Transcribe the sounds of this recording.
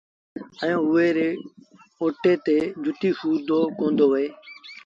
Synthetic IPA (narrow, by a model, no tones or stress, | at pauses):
ə̃jõːʊeːɾeː | oːʈeːt̪eːd͡ʒʱʊt̪iːsuːd̪oːkõːnd̪oːʋəeː